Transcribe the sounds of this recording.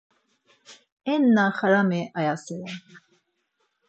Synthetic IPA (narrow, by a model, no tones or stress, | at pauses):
ɛnːaχaɾamɛʔajasɛɾɛ